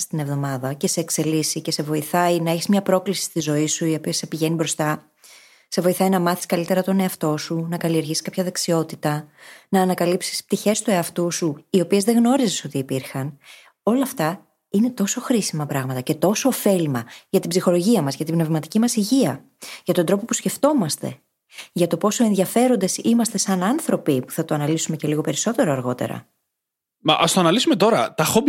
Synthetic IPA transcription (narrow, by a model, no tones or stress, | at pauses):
st̪ine̞vðo̞mɐðɐce̞se̞ːkse̞lisice̞se̞vo̞iθɐinɐeçizmɲɐpɾo̞klisi̥st̪izo̞isuio̞piesːe̞piʝe̞nibɾo̞st̪ɐ | se̞vo̞iθɐjinɐmɐθi̥skɐlit̪e̞ɾɐt̪o̞ne̞ɐft̪o̞sunɐkɐlie̞ɾʝisi̥kɐpçɐðe̞ksio̞t̪it̪ɐnɐːnɐkɐlipsi̥sp̚t̪içe̞st̪ue̞ɐft̪usuio̞pie̞zðe̞ɣno̞ɾiziso̞t̪iːpiɾxɐn | o̞lɐːft̪ɐ | ine̞t̪o̞so̞xɾisimɐpɾɐɣmɐt̪ɐce̞t̪o̞so̞ːfe̞lmɐʝɐt̪ibzixo̞lo̞ʝiɐmɐzʝɐt̪ibne̞vmɐt̪icimɐsiʝiɐ | ʝɐt̪o̞nd̪ɾo̞po̞pusce̞ft̪o̞mɐst̪e̞̰ | ʝɐt̪o̞po̞soe̞nðiɐfe̞ɾo̞nd̪e̞simɐst̪e̞sɐnɐnθɾo̞pipu̥θɐt̪oɐnɐlisume̞ce̞liɣo̞pe̞ɾiso̞t̪e̞ɾo̞ɐɾɣo̞t̪e̞̰ɾɐ̰ | mɐ̰ʔɐst̪oɐnɐlisume̞t̪o̞ɾɐt̪ɐxob